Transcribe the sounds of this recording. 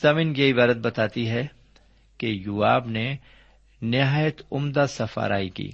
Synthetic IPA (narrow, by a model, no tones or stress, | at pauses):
zamĩːnjɐɦibaːɾət̪̚bɐt̪aːt̪iɦɛ | kejuaːbne | nɪɦaːjət̪ʊmd̪asɐfa̰ːɾa̰ːikḭː